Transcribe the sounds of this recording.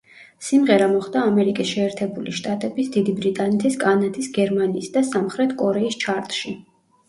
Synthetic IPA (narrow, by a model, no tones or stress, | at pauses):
simʁɛɾamɔχd̪aːmɛɾikʼisʃɛːɾt̪ʰɛbuliʃt̪ʼat̪ʼɛbisd̪id̪ibɾit̪ʼanɛt̪ʰiskʼanat̪ʰisɡɛɾmaniːsd̪asamχɾɛt̪ʰkʼɔɾɛist͡ʃʰaɾt̪ʼʃi